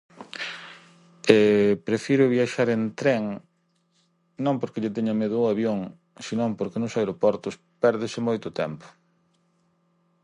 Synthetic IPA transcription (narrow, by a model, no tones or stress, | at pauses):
epɾefiɾʊβjaʃaɾent̪ɾɛŋ | nõmpoɾkeʎɪt̪eɲameðʊaβjoŋ | sinõmpoɾkenʊsajɾopɔɾt̪ʊs | pɛɾðɪsɪmojt̪ʊt̪ɛmpʊ̥